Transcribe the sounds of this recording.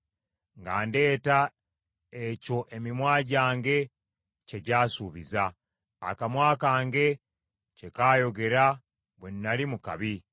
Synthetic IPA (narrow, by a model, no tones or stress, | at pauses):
ŋɡa̰ːnde̞ːta | eco̞ʔe̞mimwaːɟaːŋɡe̞ | ce̞ɟaːsuːβiza̰ː | kamwaːkaːŋɡe̞ | ce̞kaːjo̞ɡe̞ɾa | βwenːalimuka̰βi